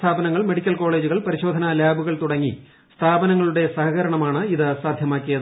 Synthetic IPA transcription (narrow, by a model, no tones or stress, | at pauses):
t̪ʰaːbɐnɐŋːɐɭme̞ɽikʲːɐlko̞ːɭe̞ːd͡ʑuɣɐɭpɐɾiɕo̞ːd̪ʱɐnɐlaːbuɣɐɭt̪uɽɐŋːḭ | st̪ʰaːbɐnɐŋːɐɭuɽe̞sɐhɐɣɐɾɐɳɐmaːɳɨiðɨsaːd̪ʱjɐmaːkːijɐðɨ